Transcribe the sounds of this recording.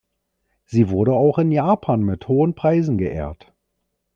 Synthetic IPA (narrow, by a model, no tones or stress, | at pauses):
z̥iːvʊɐɾəaʊxɪnjaːpʰaːnmɪthoːənpʁ̥aɪzn̩ɡəʔḛːɐt